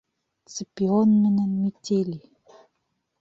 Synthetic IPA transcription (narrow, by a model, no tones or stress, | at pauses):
t͡səpionmɘ̆nɘ̆nmitʲeli